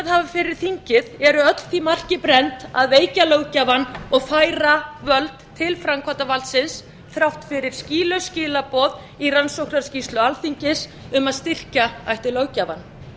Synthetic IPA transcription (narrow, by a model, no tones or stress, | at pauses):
aðhavafɪɾɪɾ̥θiɲcɪðɛɾʏœt̪l̥θimar̥cɪpɾɛnt̪aðeːjcalowcavanɔɣfaːjɾavœlt̪t̪ʰːɪlfɾamkʰɔt̪avalt̪sɪns | θɾawht̪fɪɾɪɾ̥sciːlœscɪːlapɔːð | iransowknaɾ̥scist̪lʏalθiɲcɪs | ʏmaðst̪ɪr̥caajht̪ɪloːwcaːvan